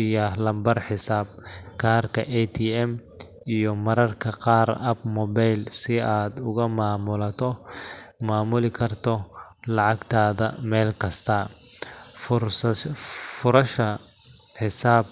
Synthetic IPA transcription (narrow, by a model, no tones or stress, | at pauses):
jɐɦlɐmbɐrħɪsaːb̚kʰaːrkʰɐʔɛt̪ʰiːɛm | ijɔmɐɾɐrkʰɐqɑːrɐbmɔbajlsɪaːd̪ʊɣɐmaːmʊlɐt̪ʰɔ | maːmʊlɪkʰɐrt̪ʰɔ | lɑʕɑɡt̪ʰaːðɐ̰mɛːlkʰɐst̪ʰɐ | fʊs | fʊɾɐʃɐ | ħɪsaːb̚